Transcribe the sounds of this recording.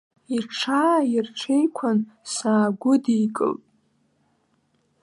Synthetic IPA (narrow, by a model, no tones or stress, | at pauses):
irʈ͡ʂʰajirʈ͡ʂʷʰejkʷʰansaːɡʷʊdijkʼɨ̰ltʼ